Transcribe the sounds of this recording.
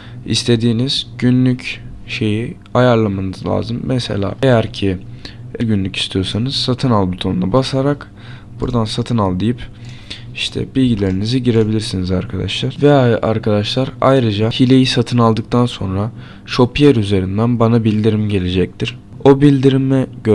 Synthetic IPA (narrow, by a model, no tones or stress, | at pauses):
ḭst̪ʰe̞d̪iːniz̥ɟ̥ynlʲycʃe̞ji | ajaɾlˠamanɯzlʲˠa̰ːzɯmːɛse̞̰lʲa̰ːejæɾcʰɪeɾɟynlʲyci̥st̪ʰijo̞ɾsanɯz̥sat̪ʰɯnalˠbut̪ʰo̞nunabasaɾak | b̥uɾd̪ansat̪ʰɯnalˠd̪ijip | iʃt̪ʰɛ̰b̥ilʲɟilʲe̞ɾiniziɟiɾe̞bilʲiɾsinizaɾkʰad̪a̰ʃlˠaɾvɛa̰ɾkʰad̪aʃlˠaɾa̰jɾɯd͡ʒahilʲe̞jisat̪ʰɯnalˠd̪ɯk̚t̪ʰanso̞̰nɾa | ʃo̞pʰijeɾyze̞ɾind̪ænbanabilʲd̪iɾimɟe̞lʲe̞d͡ʒɛc̚t̪ʰiɾ̥ | o̞bilʲd̪iɾimɛɟø